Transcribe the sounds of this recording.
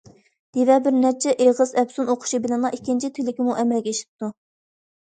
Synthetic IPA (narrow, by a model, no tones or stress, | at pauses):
d̪̥evɛbɪɾnɛt͡ʃʰɛʔeʁɨzɛpsunoqʰʊ̥ʃibɪlɪnlˠɑikʲːint͡ʃʰit̪ʰɪlɪkʲimuʔɛmɛlɡʲɛiʃi̥p̚t̪ʰu